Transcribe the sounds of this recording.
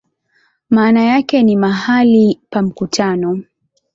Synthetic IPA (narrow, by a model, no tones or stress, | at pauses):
maːnajakɛnimaɦalipam̩kutʰanɔ